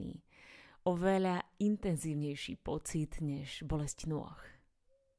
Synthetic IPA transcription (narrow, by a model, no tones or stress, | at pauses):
ḭː | ɔʋɛʎaint̪ɛnziːʊɲɛjʃḭːpɔt͡sid̪ɲɛʒbɔlɛscnʊɔ̰x